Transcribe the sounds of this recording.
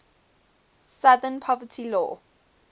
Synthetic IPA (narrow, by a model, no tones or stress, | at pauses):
saðənpʰɔvətʰilɔ̰